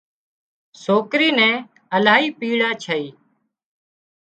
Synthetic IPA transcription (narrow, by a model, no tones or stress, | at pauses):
soːkɾiːnɛ̃ː | əlaːɦiːpiːɽaːt͡ʃʰəiː